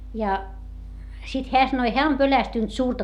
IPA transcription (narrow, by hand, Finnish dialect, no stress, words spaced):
jɑ sit heæ sɑnoi heæ om pølæstynt suːrtɑ